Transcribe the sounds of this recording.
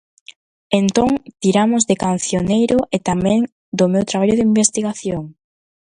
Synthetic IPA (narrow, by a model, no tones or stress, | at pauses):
ent̪oŋt̪iɾamʊzðɪkan̟θjonejɾʊʔet̪amɛ̃ŋ | d̪omewt̪ɾaβaʎʊðimbest̪iɣaθjoŋ